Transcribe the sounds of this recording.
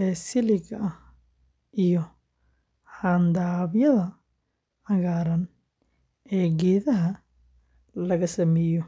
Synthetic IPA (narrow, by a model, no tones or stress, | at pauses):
ɛːsɪlɪɡɐh | ʔijɔ | ħand̪aːβjɐðɐ | ɐɣaːɾɐn | ɛːɡɛːðɐɦɐ | lɐɣɐsɐmɛːjɔ